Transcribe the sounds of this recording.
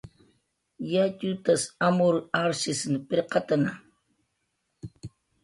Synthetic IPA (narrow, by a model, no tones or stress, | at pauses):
jat͡ʃʊt̪asamʊɾaɾʃɪsnpɪɾqɑt̪ana